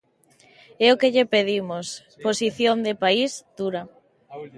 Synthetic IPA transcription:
ɛʊkeʎepeðimʊs | posiθjond̪epaizd̪̥uɾɐ

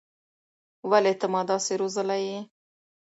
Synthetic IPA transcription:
walet̪amɑd̪ɑseɾozəlaji

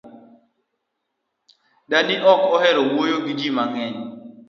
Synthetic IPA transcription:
danɪʔɔkɔhɛɾɔwojoɡid͡ʒimaŋɛɲ

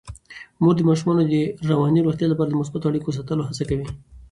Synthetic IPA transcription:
muɡ̚d̪əmɑʃumɑnod̪əɾawɑniɾoxt̪jɑlapɑɾad̪əmʊsbat̪oaɽikos̬at̪əloɦat͡sakawi

